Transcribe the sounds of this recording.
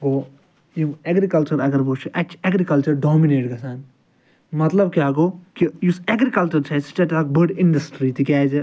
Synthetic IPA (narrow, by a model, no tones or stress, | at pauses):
ɡoː | jieɡɾikɐlt͡ʃɐɾɐɡɐɾbut͡ʃʰuʔɐt͡ʃʰɛɡɾikɐlt͡ʃɐɾɖɔːmineːʈɡɐsaːn | mɐt̪lɐbkjaːɡoːkijusɛɡɾikɐlt͡ʃɐɾt͡ʃʰɛst͡ʃeʈak̚bɐɖɪɳɖɐsʈɾiːt̪ikʲaːd͡ʒe